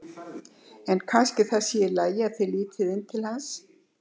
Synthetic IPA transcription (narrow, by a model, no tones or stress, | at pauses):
ɛnkʰanscɪθaðsjɛɪɾlaːjɪaðθeliːt̪ʰɪðɪnːt̪ʰɪlhans